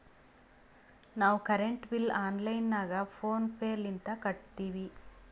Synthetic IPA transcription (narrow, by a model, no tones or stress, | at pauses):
naːʋukɐɾeɳʈʋilaːnlɐjnːaːɡɐpʰoːnpʰeːlint̪ɐkɐʈt̪iːʋi